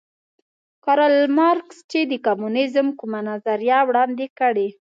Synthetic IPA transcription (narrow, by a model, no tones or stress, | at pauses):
kɑɾalmɑɾkst͡ʃed̪əkamunɪzmkumanazaɾjɑwɽɑnd̪ekəɽe